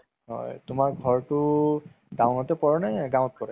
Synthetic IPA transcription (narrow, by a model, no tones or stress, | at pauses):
ɦɔ̰jtʊmak̚ɡʱɔɹtʊ | dãw̃nɔtɛpɔɹɔnɛɡãw̃t̚kɔɹɛ